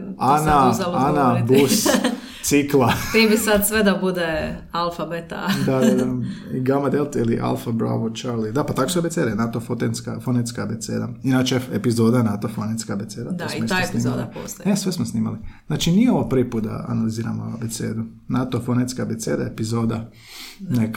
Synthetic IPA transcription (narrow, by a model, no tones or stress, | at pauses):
anazalanab̪us | siklˠat̪ibisad̪sʋed̪abud̪ealˠfabet̪a̰d̪ad̪ad̪aiɡamad̪elˠt̪iliʔa̰lfabɾa̰ʋot͡ʃaɾlid̪apat̪akosobeseːd̪anat̪ofot̪enskafonet̪skabet̪sḛːd̪a̰inat͡ʃeepizoːd̪anat̪ofonet̪skabet̪seːd̪ad̪ssioeajesniiːmaliapo̰st̪onesʋesmosniːma̰liznaːt͡ʃinijeoʋopɾʋipuːt̪̚d̪a̰a̰naliziːɾa̰moabet̪sḛːd̪u | nat̪ofonet̪skabet̪seːd̪aepizod̪a | nek